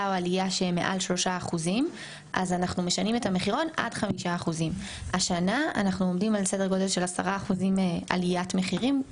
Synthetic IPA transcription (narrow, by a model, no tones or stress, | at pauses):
aoalijaʃeme̞̰ʔa̰lʃlo̞ʃaːχuzim | ʔa̰zanaχnume̞ʃanime̞tame̞χiʁo̞na̰dχamiʃaːχuzimaʃanaa̰naχnuo̞mdimalsedeɡo̞delʃe̞lasa̰ʁaːχuzimea̰lijatme̞χiʁim